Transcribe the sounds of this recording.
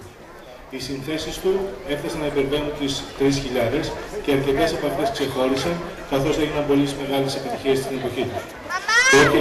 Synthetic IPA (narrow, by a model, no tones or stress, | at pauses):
isinθe̞sist̪ue̞fθɐsɐnɐipe̞ɾve̞nunt̪ist̪ɾisçiʎɐðe̞sce̞ɐɾce̞t̪esepɐfθe̞spse̞xo̞ɾisɐn | kɐθo̞zeʝinɐmbo̞lizme̞ɣɐle̞se̞pit̪içie̞st̪ine̞po̞çit̪us | t̪ot̪